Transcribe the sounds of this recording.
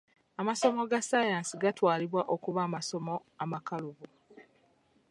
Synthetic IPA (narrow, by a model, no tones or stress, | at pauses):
amaso̞mo̞ɡasajaːnsiɡatwaːliβwaʔokuβaːmaso̞mo | amakaluβu